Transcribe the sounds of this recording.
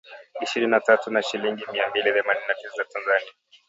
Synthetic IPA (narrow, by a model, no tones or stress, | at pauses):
iʃiɾininatatunaʃiliŋɡimiambiliθɛmaninːatisazatanzania